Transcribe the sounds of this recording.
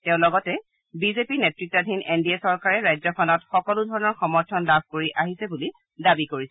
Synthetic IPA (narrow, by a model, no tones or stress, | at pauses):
tɛʊ̃lɔɡɔtɛ | bizepinetɹik̚tadʱinendiesɔɹkaɹɛɹajzɔkʰɔnɔtxɔkɔludʱɔɹɔnɔɹxɔmɔɹtʰɔnlab̚ʱkoɹiʔaɦisɛbuli | dabikoɹisɛ